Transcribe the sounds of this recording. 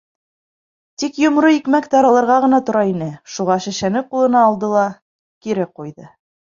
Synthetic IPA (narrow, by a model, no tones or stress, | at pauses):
t̪ikjŏmɾoikmækt̪ɑɾɑlˠɤ̆ɾʁɑʁɤ̆nɑt̪ŏɾɑinɘʃuʁɑʃɘ̆ʃænɘqulˠɤ̆nɑːlˠd̪ɤlˠɑ | kiɾɘqujðɤ